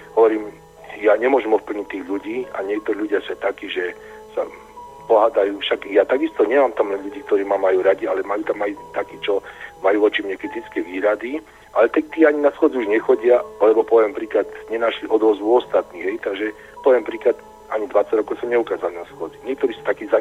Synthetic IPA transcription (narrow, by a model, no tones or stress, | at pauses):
ɦɔʋɔɾiːm | jaɲɛmʊɔʒɛmɔfpl̩ɲic̚t̪ːiːɣʎuɟiːa̰ɲɪɛk̚t̪ɔɾiːlʎuɟɪasɛt̪akiːʒɛ | sa | pɔɦaːd̪ajuːfʃaɡjat̪aɡist̪ɔɲɛmaːmt̪amlɛʎuɟiːkt̪ɔɾiːmamːajuːɾaɟialɛmajuːt̪amajut̪akiːt͡ʃɔmajuːʋɔt͡ʃimɲɛkɾit̪it͡skɛjʋiːɾad̪i | ʔalɛt̪ɛk̚t̪iːaɲinasxwɔd͡ziuʒɲɛxɔɟɪaalɛbɔpɔʋɛmpɾiːklad̪ɲɛnaʃliʔɔd̪ʋɔzʋuɔst̪at̪niːɦɛjt̪aɡʒɛ | pɔʋjɛmpɾiːklad̪ | aɲid̪ʋat͡saɟɾɔkɔʊsɔmɲɛukaːzalinasxʊɔd͡ziɲɪɛk̚t̪ɔɾiːsḁt̪akiːza